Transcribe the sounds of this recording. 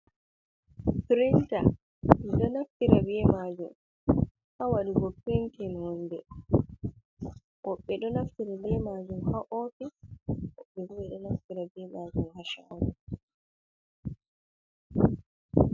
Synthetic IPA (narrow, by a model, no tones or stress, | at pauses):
pɾinta̰ | miɗɔnaftiɾabiɛmaːd͡ʒum | hawaɗiɡɔkintinhɔnːdɛ | ʔɔɓːɛɗɔnaftiɾabɛmaːd͡ʒumhaʔoːfiʔɔɓːɛbuɛɗɔnaftiɾabɛmaːd͡ʒumhaʃawu